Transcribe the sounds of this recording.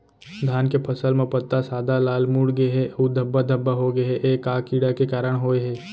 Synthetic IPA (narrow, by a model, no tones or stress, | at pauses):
d̪ʱaːnkepʰɐsəlmẽpət̪ːasaːd̪alaːlmuːɽɡeɦɛʔud̪ʱəbːad̪ʱəbːaɦoɡeɦeʔeːkaːkiːɽakekaːɾəɽɦoːeɦɛː